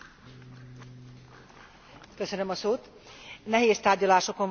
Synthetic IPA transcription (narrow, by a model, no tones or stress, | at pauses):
køsønømɒsoːt̪ | nɛɦeːst̪aːrɟɒlaːʃo̞ko̞ɱ